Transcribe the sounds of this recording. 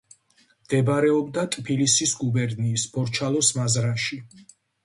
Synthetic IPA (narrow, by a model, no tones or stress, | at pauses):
md̪̥ɛbɾɛɔbd̪at̪ʼpʰilisisɡubɛɾniːsbɔɾt͡ʃʰalˠɔsmazɾaʃi